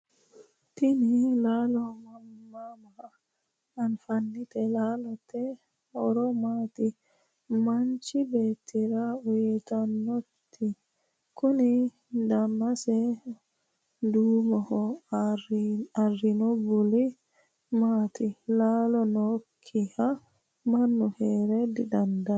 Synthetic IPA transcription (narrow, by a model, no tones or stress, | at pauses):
tinilalɔmamːama | anfanːitɛlalɔtɛ | ɔɾɔmaːti | mant͡ʃibetiɾawɛtanotʰːi | koni | damːasɛ | dumahɔ | arinobuli | matʰilalɔnokʰːiha | manːuhɛɾɛdiɗanda